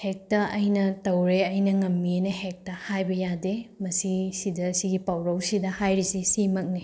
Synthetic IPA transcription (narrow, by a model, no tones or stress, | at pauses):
hek̚tɐʔɐjnɐtɐwɾeɐjnɐŋɐmːienɐhek̚tɐhajbɐjademɐsisidɐsiɡipawɾɐwsidɐhajɾisisimɐk̚ni